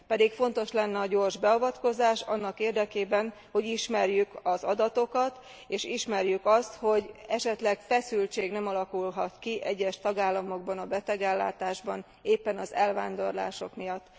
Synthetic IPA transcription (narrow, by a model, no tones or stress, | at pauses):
pɛd̪ikfo̞n̪t̪o̞ʃlɛnːɛɒɟo̞ːrʒbɛɒvɒt̪ko̞zaːʃɒnːɒkeːrd̪ɛkeːbɛn | ho̞ɟiʃmɛrjykɒzɒd̪ɒt̪o̞kɒt̪ | eːʃiʃmɛrjykɒst̪ho̞ɟɛʃɛt̪lɛkfɛsylt͡ʃeːɡnɛmɒlɒkulɦɒt̪kiʔɛɟːɛʃt̪ɒɡaːlːɒmo̞ɡ̚bɒnɒbɛt̪ɛɡɛlːa̰ːt̪aːʒbɒn | eːpːɛnɒzɛlvaːnd̪o̞rla̰ːʃo̞̰kmijɒt̪ː